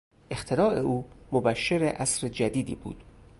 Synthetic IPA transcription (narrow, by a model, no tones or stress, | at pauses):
ʔe̞xt̪ʰe̞ɾɒːʔe̞ʔuːmobæʃːeɾeʔæsɾed͡ʒæd̪iːd̪ḭːbṵːd̪̥